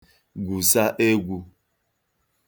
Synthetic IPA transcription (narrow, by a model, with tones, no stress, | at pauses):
ɡu˨sa˦ʔe˦ɡu˦